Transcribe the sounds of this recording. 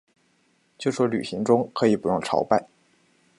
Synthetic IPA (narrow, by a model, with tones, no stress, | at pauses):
t͡ɕjo˥˧˩ʂwɔ˥ly̰˨˩ɕi˧˥ŋʈ͡ʂʊ˥ŋkʰɤ˧˥i˨˩pu˨˩ɻʊ˥˩ŋʈ͡ʂʰɑ̰˧˥ʊpa˥˩ɪ